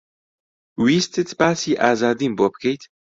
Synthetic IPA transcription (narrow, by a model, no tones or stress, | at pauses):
wiːst̪ʰɨt̪ʰbaːsiːʔaːzaːd̪imboːbkʰejt̪